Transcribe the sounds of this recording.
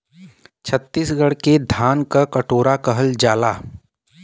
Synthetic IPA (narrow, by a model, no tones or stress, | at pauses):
t͡ʃʰət̪ːiːsɡəɽked̪ʱaːnkakəʈoːɾakəɦəld͡ʒaːlaː